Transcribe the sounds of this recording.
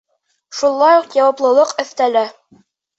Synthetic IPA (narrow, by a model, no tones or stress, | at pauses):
ʃulˠːɑjuqjɑwɑplˠɤ̆lˠɤqɵ̆θt̪ælæ